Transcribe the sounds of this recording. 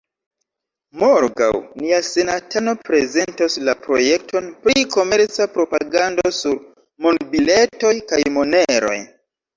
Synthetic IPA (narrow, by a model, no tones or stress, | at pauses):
moɾɡa̰wniase̞natano̞pɾe̞ze̞ntoslapɾo̞̰je̞k̚to̞npɾiko̞me̞ɾt͡sapɾo̞paɡandosuɾ | mondbile̞to̞jkajmone̞ɾo̞̰j